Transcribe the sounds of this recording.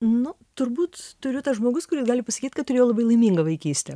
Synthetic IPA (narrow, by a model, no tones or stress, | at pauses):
nʊ | t̪ʊɾbuːt̪t̪ʊɾʲʊt̪ɐsʒmoːɡʊskʊɾʲɪːsɡɑːlʲɪpɐsɐkʲiːt̪ʲkɐt̪t̪ʊɾʲeːjoːlˠɐbɐɪlˠɐɪmʲiːŋɡɐʋɐɪkʲiːsʲt̪ʲɛ